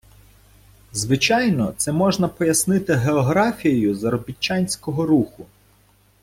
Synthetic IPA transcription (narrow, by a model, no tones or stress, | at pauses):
zʋɪt͡ʃɑjnɔ̰t̪sɛmɔʒnɐpɔjɐsnɪt̪ɪɦeɔɦɾɑfʲijejʊzɐɾɔbʲit͡ʃːɑnʲsʲkɔɦɔɾuxʊ